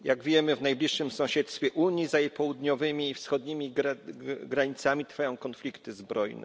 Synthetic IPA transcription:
jaɡvʲjɛmɘvnajblʲiʂːɘmsɔ̃w̃ɕɛt̪st̪fʲjɛʔuɲjizajejpɔwud̪ɲɔvɘmʲiːfsxɔd̪ɲimʲi | ɡɾaɲit̪samʲit̪ɾfajɔ̃w̃kɔnflʲikt̪ɘzbɾɔjnɛ̰

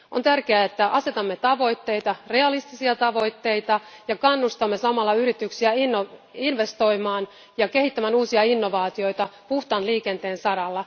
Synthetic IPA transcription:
ʔont̪ærkeæet̪ːæʔɑse̞t̪ɑmːe̞t̪ɑʋo̞jt̪ːe̞jt̪ɑre̞ɑlist̪isiɑt̪ɑʋo̞jt̪ːe̞jt̪ɑjɑkɑnːust̪ɑmːe̞sɑmɑlːɑyɾit̪yksiæinːoinʋe̞st̪o̞jmɑːn | jɑke̞hit̪ːæmænuːsiɑinːo̞ʋɑːt̪io̞jt̪ɑpuht̪ɑnliːke̞nt̪e̞ːnsɑɾɑlːɑ

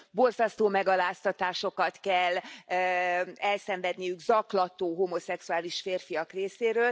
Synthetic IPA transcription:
bo̞rzɒst̪oːmɛɡɒlaːst̪ɒt̪aːʃo̞kɒt̪kɛlː | ɛlsɛɱvɛd̪nijyɡzɒklɒt̪oːɦomo̞sɛksuaːliʃfeːrfijɒkreːseːɾøːl

